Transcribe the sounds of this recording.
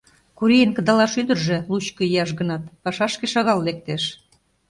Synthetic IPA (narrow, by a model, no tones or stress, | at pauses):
kuɾijənkə̆d̪ɑlɑʃyd̪ə̆rʒĕlut͡ɕkɤijɑʃɣə̆nɑt̪pɑʃɑʃkĕʃɑɣɑllek̚t̪eʃ